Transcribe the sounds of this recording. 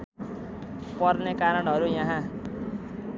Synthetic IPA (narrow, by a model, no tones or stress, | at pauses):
pʌrnekaɾʌɳɦʌɾujãɦã